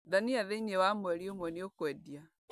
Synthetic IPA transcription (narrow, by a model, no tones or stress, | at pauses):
ðaniaðɛiɲɛwamwɛɾiomwɛniokwɛdia